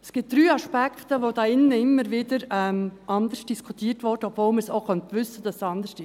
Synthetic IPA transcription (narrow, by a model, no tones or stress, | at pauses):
ɛsɡ̥ɪt̚d̥ɾyːɑʃpækχt̪əʋod̪ɑːɪnːəɪmːəɾʋɪdəɾɛmʔɑnd̪əɾsd̥iskʰutiːtʋɔːɾd̥əɔbvoːlməsoʊχœntʋʏsːəd̥ɑssɑnd̪əʃtɪ